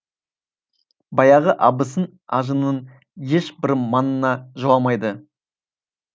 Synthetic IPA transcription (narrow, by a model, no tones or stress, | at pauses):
bɑjɑʁəʔɑbəsən | ɑʒənən | je̞ʃbɪɾmɑnənɑʒoɑmɑjd̪ə